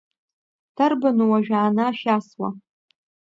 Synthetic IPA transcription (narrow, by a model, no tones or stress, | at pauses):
tʰarbɨnuwaʒᶣaːnaʃaswa̰